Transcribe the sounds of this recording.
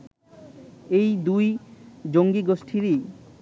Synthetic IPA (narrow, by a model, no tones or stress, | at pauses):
ejd̪ujd͡ʑoŋɡiɡosʈʰiɾi